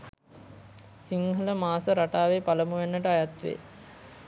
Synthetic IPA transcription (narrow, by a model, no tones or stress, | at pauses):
siŋhələmaːsəɾaʈaːʋepaləmuʋenːəʈəajat̪ʋḛː